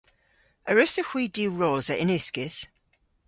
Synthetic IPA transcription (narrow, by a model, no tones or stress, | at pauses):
əɹʉsəxwiːdiːɹɔːzəʔɪnʉskɪz̥